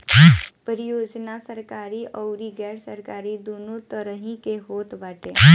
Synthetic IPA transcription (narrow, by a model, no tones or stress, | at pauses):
pəɾijod͡znasəɾkaɾiːʔəwɾiɡɛɽsəɾkaɾiːd̪onot̪əɾəɦĩkeɦot̪ʋaʈe